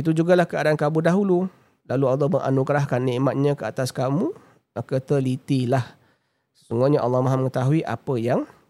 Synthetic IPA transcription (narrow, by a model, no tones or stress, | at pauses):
it̪̬ud͡ʒuɡalahkəadaankamudaɦulu | laluɑlːɑhməŋʔa̰nuɡɾaɦkanːiʔmat̪̚ɲãkəat̪askamu | akət̪əlit̪ilah | sə̥suŋɡuɲaʔɑ̰lːɑhmaɦaməŋət̪aɦuiʔa̰pəjaŋ